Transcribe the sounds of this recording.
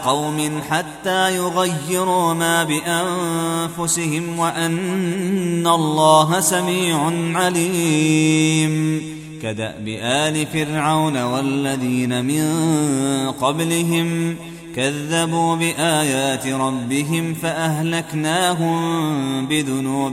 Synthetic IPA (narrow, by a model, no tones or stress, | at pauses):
qɑwmɪnħat̪ːaːjʊɣajːɪɾuːmaːbɪʔanfʊsɪhɪmwaʔanː | alˤːɑːɦasamiːʕʊnʕaliː | m | kad̪a̰ʔbɪʔaːlɪfɪɾʕawnawalːaðiːnamɪn | qɑblɪɦɪm | kaðːabuːbɪʔaːjaːt̪ɪɾˤɑbːɪɦɪmfaʔaɦlaknaːɦʊmbɪðʊnuːb